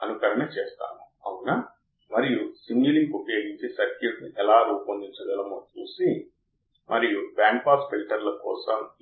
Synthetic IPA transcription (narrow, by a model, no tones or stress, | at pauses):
ɐnukɐɾɐnɐt͡ʃeːst̪a̰ːnu | ɐwuna | mɐɾijusiɲɡuliŋkupjoːɡiɲt͡ʃisɐɾkjuʈniʔɛlaːɾuːpɐnd̪iɲt͡ʃɐɡɐlɐmoːt͡ʃuːsi | mʔɐɾijubjaːŋk̚paːpsfilʈɐɾlɐkɔ̰ːsɐm